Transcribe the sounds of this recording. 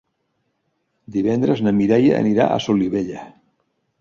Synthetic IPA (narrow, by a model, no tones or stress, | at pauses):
d̪iβɛnd̪ɾəznəmiɾajaə̰niɾa̰ʔə̰soliβeʎə